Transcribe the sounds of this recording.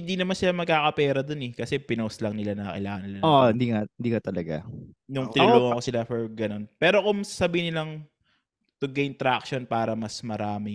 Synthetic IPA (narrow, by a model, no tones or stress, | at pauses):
hɪ̃nd̪inɐmansɪlamɐɡ̚kaːkɐpɛːɾɐd̪onɛkɐsɛpɪnowslɐŋnɪlanɐkɐ̰ɪlaːŋɐnːɪlaohɪnd̪iŋaɪnd̪iːkɐt̪ɐlɐɡa̰nʊŋt̪ɪnʊluːokosɪlafɛɹɡɐno̞npɛːɾo̞kʊŋsasɐbiːhɪnɪlɐŋ | t̪ʊɡejnt̪ɾak̚ʃonpaːɾɐmɐsmɐɾaːmɪ